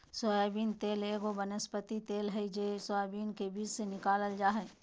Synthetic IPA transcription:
sɔjabiːnt̪eːleːɡobənəspət̪it̪eːlɦɛid͡ʒeːsoabiːnkebiːd͡ʒsenɪkaːləld͡ʒaːɦɛ

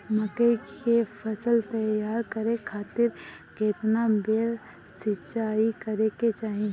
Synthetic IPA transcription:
məkəjkepʰɐsəlt̪ɐjaːɾkɐɾekʰaːt̪ɪɾkeːt̪nabeɽ | sɪt͡ʃaːikɐɾeket͡ʃaːɦĩ

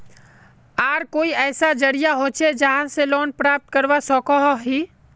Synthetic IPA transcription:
aːɾkoːiɛːsad͡ʒəɽijaɦoːt͡ʃed͡ʒəɦãseloːnpɾaːp̚t̪̚kəɾʋasɔ̃ːkɔɦɔɦiː

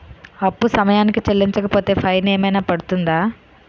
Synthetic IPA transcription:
ɐpːusɐmɐjaːnikit͡ʃelːiɲt͡ʃɐkɐpo̞ːt̪e̞ːpʰɐjneːmɐjnaːpɐɽut̪und̪aː

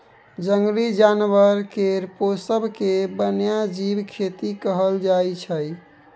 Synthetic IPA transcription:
d͡ʒəŋɡlid͡ʒanʋəɾkeɾposəbʱkebənjad͡ʒibkʰet̪ikəɦəld͡ʒajt͡ʃʰəj

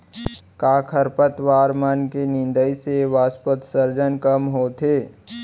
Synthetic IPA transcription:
kaːkʰəɾpət̪ʋaːɾmankenɪ̃nd̪əiseʋaːspət̪səɾd͡ʒənkəmɦoːt̪ʰeː

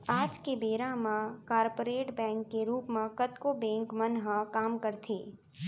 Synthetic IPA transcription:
aːd͡ʒkebeːɾãmãkaːɾpoɾeːʈbɛ̃ːŋkːeɾuːpmãkət̪kobɛ̃ːŋkmənɦãkaːmkəɾt̪ʰeː

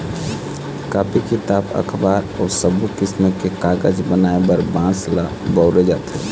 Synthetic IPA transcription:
kaːpʰikit̪abə̰kʰbaːɾɔːsəbukɪsməkekaɡəd͡ʒbənaebəɾbãsla | bəʊɾed͡ʒaːt̪e

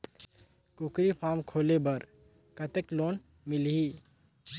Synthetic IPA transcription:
kʊkɾipʰaːmkʰoːlebɐɾ | kɐt̪ekloːn | mɪlɦiː

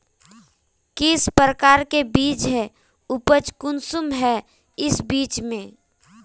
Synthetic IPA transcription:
kiɪspɾəkaːɾkebiːt͡ʃɦɛ | ʊpət͡ʃkʊnsʊmɦɛ | ɪsbiːt͡ʃmẽ

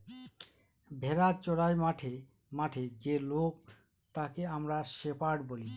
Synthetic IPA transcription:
bʱeɾat͡ɕoɽajmaʈʰe | maʈʰed͡ʑelok̚ | t̪akeamɾaʃepaɽboli

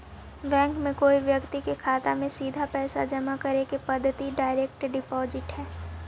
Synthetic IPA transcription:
ʋɛ̃ːŋkmẽkoːiʋjɐkt̪ikekʰaːt̪amẽsiːd̪ʱapɛːsad͡ʒɐmakɐɾekepɐd̪ʱːət̪iɖaːɪɾɛːk̚ʈɖɪpɔːzɪʈɦɛː

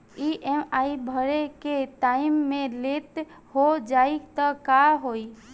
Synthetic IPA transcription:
iʔɛmaibʱəɾeket̪aːɪmːẽlet̪ | hod͡ʒaːit̪əkaɦoːi

